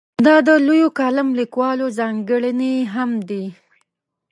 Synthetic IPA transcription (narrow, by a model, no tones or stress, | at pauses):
d̪ɑd̪əlojokɑlamlikwɑlozɑŋɡəɽəneɦamd̪i